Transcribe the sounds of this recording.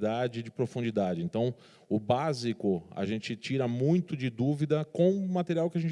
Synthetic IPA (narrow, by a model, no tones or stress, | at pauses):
d̪ad͡ʒɪd͡ʒɪpɾofũnd͡ʒid̪ad͡ʒɪẽnt̪ɐ̃w̃ | ʊbazikʊa̰ʒẽnt͡ʃɪt͡ʃiɾɐmũj̃t̪ʊd͡ʒɪd̪uvid̪ɐkõw̃mat̪eɾiawkɪɐʒẽnt͡ʃ